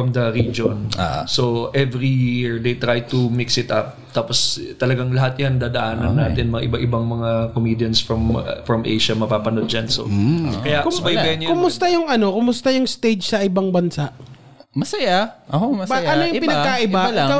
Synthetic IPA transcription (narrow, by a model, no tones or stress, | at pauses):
ɐmd̪ɐɾid͡ʒonsoʔɛvɹijiɹd̪ejt̪ɾajt̪ʊmɪksɪt̪ɐp̚t̪aːpost̪ɐlɐɡaŋlɐɦat̪̚jand̪aːd̪ɐʔaːnɐnːaːt̪ɪnmɐŋaʔɪbaʔɪbaŋmɐŋakomiːd̪jɐnsfɹɐmfɹɐmʔḛjʃɐmɐpaːpɐnod̪̚d͡ʒanso̰kɐjaʔkʊsbɐjbɛkʊmʊst̪ɐjʊŋʔɐno̞kʊmʊst̪ɐjʊŋst̪ejd͡ʒsɐʔɪbaŋbɐnsaʔ | mɐsɐjaʔomɐbɐɐnojʊŋpɪnɐkaʔɪba